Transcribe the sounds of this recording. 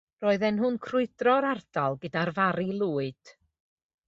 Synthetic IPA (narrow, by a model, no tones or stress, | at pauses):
roːɨðɛnɦʊnkʰrʊɨdrɔɾard̥alˠɡɨdarvaɾilˠuːɨd̥